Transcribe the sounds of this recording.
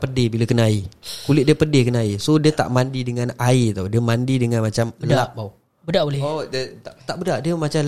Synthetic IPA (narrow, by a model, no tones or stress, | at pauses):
pərdɪhbiləkənaikulɪt̪̚diəpərdɪhkənaisodiət̪a̰ʔmandidəŋanait̪awdiəmandidəŋanmat͡ʃambəldaaʔbau | bədaʔbolɛodət̪aʔt̪aʔbədaʔdiəmat͡ʃal